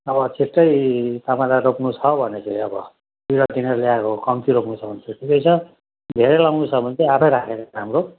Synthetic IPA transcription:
ʌbʌt͡sʰiʈːʌjt̪amaɾaɾopnut͡sʰʌbʱʌnet͡sʌʌbʌ | biɾʌd̪ineɾljakokʌmt̪iɾopnut͡sʰʌbʱʌnt͡sʰuʈʰikʌjt͡sʰʌ | d̪ʱeɾelawnut͡sʰʌbʱʌnt͡seapʰʌjɾakʰeɾaamro

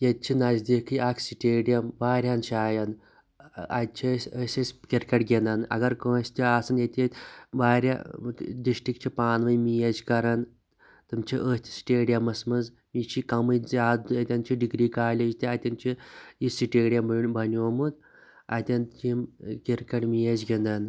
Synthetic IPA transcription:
jɐt̪̚t͡ʃʰinɐzd̪ikʰɨjakʰsiʈeːɖijɐmʋaːɾʲant͡ʃʰiaːjɐn | ɐ̰d̪̚ʲt͡ʃʰisʲəsʲɐsʲkʲiɾkɐʈɡʲenɐnɐ̰ɡɐɾkəːsʲt̪ʲiaːsɨnjɐt̪ʲiʋaːɾʲa̰d̪iʃʈikt͡ʃʰipaːnʋɐjmijɐt͡ʃkɐɾɐn | t̪ɨmt͡ʃʰiʔəːsʲt̪ʰʲsi̥ʈʲeːɖijɐmɐsmɐz | mit͡ʃʰikɐmɨjzʲaːd̪ɐt̪ʲɐnt͡ʃʰiɖiɡɾiːkaːlʲed͡ʒt̪ʲiɐt̪ʲɐnt͡ʃʰijisiʈeːɖijɐmbɐbɐnʲoːmut̪ | ɐ̰t̪ʲɐnt͡ʃimkʲiɾkɐʈmijɐd͡ʒɡʲend̪ɐn

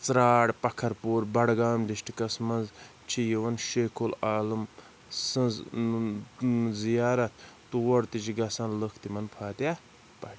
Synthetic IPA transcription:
t͡sɾaːɽpɐkʰɐɾpoːɾbɐɽɡaːmɖiʃʈkɐsmɐnz | t͡ʃʰijiʋɐnʃeːkʰolaːlɨm | sɐnz | zijaːɾɐt̪̚ʰt̪uʋɐɾt̪it͡ʃʰiɡɐsaːnləkʰt̪imɐnpʰaːt̪jaː | pɐʈ

